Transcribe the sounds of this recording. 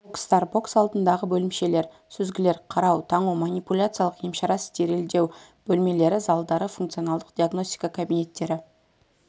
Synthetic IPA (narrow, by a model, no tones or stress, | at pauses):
bokst̪ɑɾbo̞ksɑlˠd̪ənd̪ɑʁəbɵlɪmʃe̞le̞ɾ | sʏzɡʲɪle̞ɾqʰɑɾɑwt̪ʰɑɴumanipulʲat̪sɨialˠəqjemʃɑɾɑst̪ʰeɾe̞ld̪e̞w | b̥ɵlme̞le̞ɾɪzɑlˠd̪ɑɾəfuŋkt̪sio̞nɑlˠd̪ə̥qd̪̥ʲiaɡno̞sʲt̪ʲi̥kakʰabijne̞t̪ːe̞ɾɪ